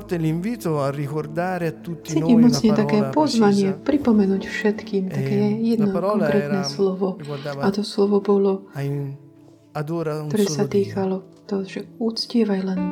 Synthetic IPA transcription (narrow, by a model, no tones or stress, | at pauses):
t̪eliɱviːt̪oarːikord̪aːɾeat̪ːut̪ːit͡siːcimːɔt͡sɲɛt̪akɛːpɔzʋaɲɪɛpɾipɔmɛnuːcfʃɛt̪kiːmt̪akɛːjɛd̪nɔkɔŋkɾɛːt̪nɛslɔʋɔat̪ɔslɔʋɔbɔlɔ | ad̪ɾt̪ɔɾɛːsat̪iːkalɔ | t̪ɔʒɛut͡scɪɛʋajlɛn